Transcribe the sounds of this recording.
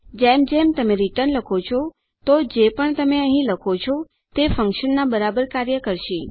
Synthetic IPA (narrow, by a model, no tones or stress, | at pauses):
d͡ʒemd͡ʒemt̪əmeɾiʈəɾnləkʰot͡ʃʰo | t̪od͡ʒepəɳt̪əmeəɦĩləkʰot͡ʃʰo | t̪efəŋkʃənːabəɾabəɾkaɾjəkəɾʃi